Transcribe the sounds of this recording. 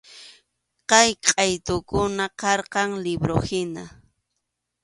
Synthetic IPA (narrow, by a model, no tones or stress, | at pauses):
qɑjqʼɑjt̪ʊkʊnaqɑɾqɑŋlɪbɾohɪna